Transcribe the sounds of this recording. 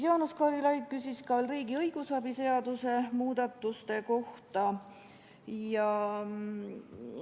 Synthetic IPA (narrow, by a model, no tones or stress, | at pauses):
jonuskɑːɾilɑjɡ̚kysʲiskɑolriːɡ̥iɤjɡ̥usɑbise̞ɑd̪̥use̞muːd̪̥ɑt̪ˑːust̪e̞ko̞ht̪ɑ | jɑ